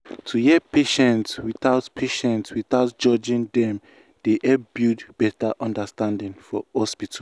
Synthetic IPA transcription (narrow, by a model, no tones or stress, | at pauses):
tʰujɛpʰeʃɛ̃ntswiθaʊtpʰeʃɛ̃ntswiθaʊtd͡ʒɔd͡ʒĩŋdɛ̃m | d̥eʔɛbjidb̥ɛtaʔɔ̃ndəstãndĩŋfɔhɔspitʰ